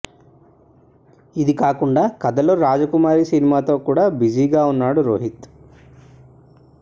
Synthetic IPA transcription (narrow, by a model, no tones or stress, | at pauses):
id̪ikaːkuɳɖaːkɐd̪ɐloɾaːd͡ʒɐkumaːɾisinimaːt̪o̞ːkuːɽaːbid͡ʒiːɡaːunːaːɽuɾo̰ːɦit̪